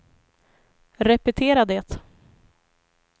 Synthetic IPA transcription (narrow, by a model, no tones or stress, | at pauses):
ɾɛpɛt̪ʰeːɾad̪ɛːt̪